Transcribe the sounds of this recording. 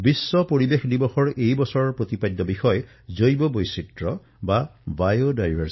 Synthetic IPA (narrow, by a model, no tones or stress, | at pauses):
bisːɔpoɹibexdibɔxɔɹejbɔsɔɹpɹot̪ipajd̪ːɔbixɔj | zojbɔbojsitɹɔ | babajodajbʱaɹs